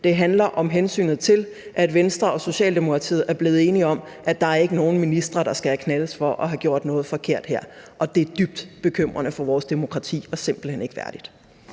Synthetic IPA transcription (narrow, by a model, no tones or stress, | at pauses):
d̥e̝ɦænlɐʔɒ̽mɦensy̰ːnð̩ˠt͡sʰe̝l | ʔæd̥ʋensd̥ʁɐɒ̽so̝ɕɛ̰ːld̥e̝mo̝kʰʁɑ̈t͡sʰḭːð̩ˠæɐb̥le̝ːð̩ˠe̝ːniɒ̽m | ʔæd̥ɑ̈æɐe̝ɡ̥əno̝ːn̩minisd̥ʁɐɾ̥ɑ̈sɡ̥ækʰnæləsfɒ̽ʔɒ̽ɦæɡ̥jo̝ɐ̰d̥nɔ̽ːð̩ˠfɒ̽kʰe̝ɐ̰d̥heɐ̰ʔɒ̽d̥e̝æɐd̥yb̥̚d̥b̥e̝kʰøm̰ʁɐnəfɒ̽ʋɒːsd̥e̝mo̝kʰʁɑ̈t͡sʰḭːɒ̽se̝mb̥l̩hen̰e̝ɡ̥əʋæɐd̥id̥